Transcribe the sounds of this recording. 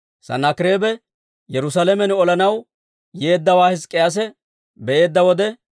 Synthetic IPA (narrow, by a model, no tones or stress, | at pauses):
sɐ̰nɐkɪɾeːbɛ | jɛɾʊsalɛmɛnɔlɐnɐw | je̞ːd̪ːɐwaːhɪskʼːɪjas̬ɛ | bɛʔe̞ːd̪ːɐwɔd̪ɛ